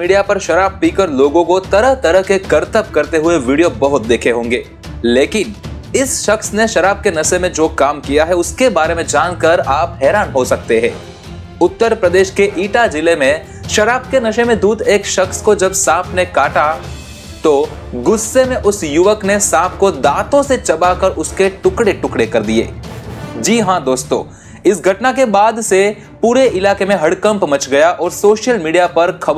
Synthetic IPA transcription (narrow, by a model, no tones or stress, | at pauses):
miːɖijapɐɾʃɐɾaːb̚piːkəɾloːɡõkot̪ɐɾəɦt̪ɐɾəɦkekɐɾt̪əp̚kɐɾt̪eɦʊeʋiːɖijobɐɦʊt̪̚d̪eːkʰeɦõːŋɡeː | leːkɪn | ɪsʃɐxsneʃɐɾaːb̚kenɐʃemẽd͡ʒoːkaːmkijaɦɛʊskebaːɾemẽd͡ʒaːnkɐɾaːpɦɛːɾaːnɦosɐk̚t̪eɦɛ̃ː | ʊt̪ːəɾpɾɐd̪eːʃkeʔiːʈad͡ʒɪlemẽ | ʃɐɾaːb̚kenɐʃẽmẽd̪uːd̪eːkʃɐxskod͡ʒɐbsaːpʰnekaːʈa | t̪o | ɡʊsːemẽʔʊsjʊʋəknesaːp̚ʰkod̪aːt̪õset͡ʃɐbakɐɾʔʊskeʈʊkɽeʈʊkɽekɐɾd̪iḛːd͡ʒiːɦãd̪oːst̪õ̰ː | ɪsɡʱɐʈnak̬ebaːd̪se | puːɾeʔɪlaːkemẽɦɐɽkə̃mpmɐt͡ʃɡɐjaʔɔːɾsoːʃjəlmiːɖijapɐɾkʰɐ